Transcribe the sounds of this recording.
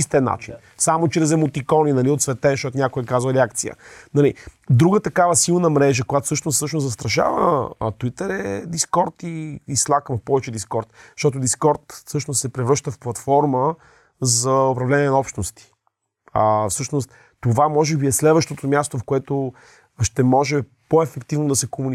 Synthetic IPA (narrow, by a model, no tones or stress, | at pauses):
ist̪ɛnːa̰t͡ʃḭn | samot͡ʃɾɛzɛmot̪ikɔninɐliot̪svɛt̪ɛʃt̪ɔt̪onʲakoɛkazvəɾɛakt̪siə̰nɐli | d̪ɾuɡət̪ɐkavəsilˠnəmɾɛʒəkojat̪o̥sɤʃnossɤəʃnoszɐst̪ɾɐʃa̰vət̪uit̪ɛɾɛd̪iskɔɾt̪iːslˠakəmpɔvɛt͡ʃɛd̪iskɔɾt̪̚ʃt̪ɔt̪̬ʊd̪iskɔɾt̪fsɤʃnossɛpɾɛvɾɤʃt̪əfplˠɐt̪fɔɾmə | zɐʊpɾɐvlɛnʲiɛnɐɔpʃt̪nost̪i̥ | əfsɤʃnost̪ | t̪ːovamɔʒɛbiɛslɛd̪vəʃt̪ot̪omʲjast̪ofkoɛt̪o | ʃt̪ɛmɔʒɛ | poɛfɛkt̪ivnod̪ɐsɛkomuni